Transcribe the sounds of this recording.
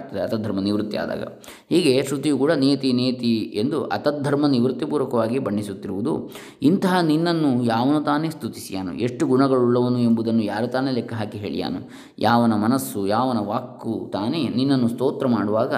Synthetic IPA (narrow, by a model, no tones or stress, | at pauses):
t̪ɐd̪eɐt̪ɐd̪ʱɐɾmɐniʋɾut̪ːija̰ːd̪a̰ːɡɐ̰ | hiːɡe̞ʃɾut̪ijukuːɽɐniːjɐt̪ineːjɐt̪ie̞nd̪uʔɐt̪ɐd̪ʱːɐɾmɐniʋɾut̪ːipuːɾɐkɐʋaːɡibɐɳːisut̪ːiɾuʋud̪ṵ | int̪ɐɦɐninːɐnːujaːʋɐnut̪aːne̞ːst̪ut̪isijaːnṵʔe̞ʂʈuɡunɐɡɐɭuɭːɐʋɐnue̞mbud̪ɐnːujaːɾut̪aːnelekʰːɐɦaːkiɦeːɭḭja̰ːnu | jʔaːʋɐnɐmɐnɐsːujaːʋɐnɐʋaːkːut̪aːne̞ninːɐnːust̪oːt̪ɾɐmaːɽuʋaːɡɐ